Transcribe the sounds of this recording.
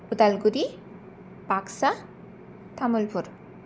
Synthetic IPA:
ud̪alɡuɾi | baksa | t̪ʰamulpʰuɾ

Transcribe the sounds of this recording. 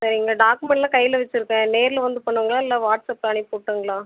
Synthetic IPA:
sɐɾiɪŋɡɐɖaːkɯmɛɳʈlãːkɐjːɪlɐʋɛt͡ʃːɪɾɯkːẽːneːɾɪlɐʋɐnd̪ɯpɐɳːɯʋɐŋɡɐɭaːɪlːaːʋaːʈsɐpːaːɳipoːʈːɯːŋɡɐɭaː

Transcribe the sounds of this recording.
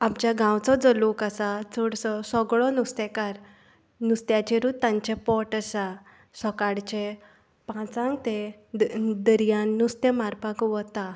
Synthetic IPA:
apt͡ɕaɡãwt͡sɔd͡zəlukasat͡sɔɽt͡sɔsɔɡɭɔnust̪ɛkaɾ | nust̪jat͡ɕeɾut̪ːãɲt͡ɕɛpɔʈəsa | sɔkaɽt͡ɕe | pãt͡sãŋɡt̪e | d̪əɾijanːust̪emaɾpãkʋɔt̪a

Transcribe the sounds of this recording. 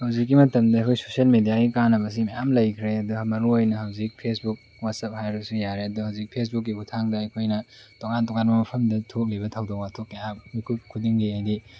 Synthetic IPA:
hɐwzikːimɐtɐmdɐɐjkʰojsosiɐlmedijaɡikanːɐbɐs̬imɐjamlɐjkʰɾeɐduhmɐɾuojnɐɦɐwzik̚pʰesbuk̚ | wat̚sɐp̚hajɾɐbsujaɾeɐduhɐwzik̚pʰes̬buk̬ːiɡutʰaŋdɐɐjkʰojnɐtoŋantoŋanmɐmɐpʰɐmdɐtʰok̚libɐtʰawdokwatʰok̚kɐjamikʰukʰudiŋɡiajdi

